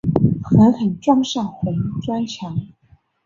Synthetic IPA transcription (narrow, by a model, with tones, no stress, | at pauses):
xə˧˥nxə˨˩nʈ͡ʂwɑ˥˧ŋʂɑ˥˩ŋxwe˧˥ɪ˧˥˩ʈ͡ʂwa˥nt͡ɕʰjɑ˧˥ŋ